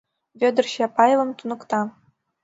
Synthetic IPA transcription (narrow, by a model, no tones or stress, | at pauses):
vʲød̪ɘ̆rɕɛpɑjlɤ̆mt̪unɤ̆kt̪ɑ